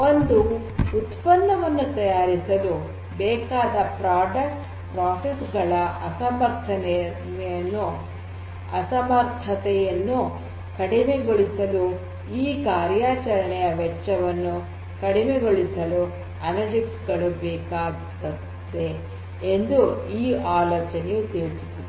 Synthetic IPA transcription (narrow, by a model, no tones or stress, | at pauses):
o̞nd̪u | ut̪pɐnːɐʋɐnːut̪ɐjaːɾisɐlu | bɛːkaːd̪ɐpɾaːɖɐk̚ʈ | pɾaːsesɡɐɭɐɐsɐmɐɾt̪ʰːɐn | nɛjɐnːu | ɐ̰sɐmɐɾt̪ʰːɐt̪ɛjɐnːu | kɐɽimeɡoɭisɐlu | iːkaːɾjaːt͡ʃɐɾɐɳɛjɐʋɛt͡ʃːɐʋɐnːu | kɐɽimeɡo̞ɭisɐlu | ɐnɐɾd͡ʒiksɡɐɭubɛːkaː | t̪ɐ | t̪ːe | end̪uiːaːloːt͡ʃɐnejut̪eːɭisut̪ːi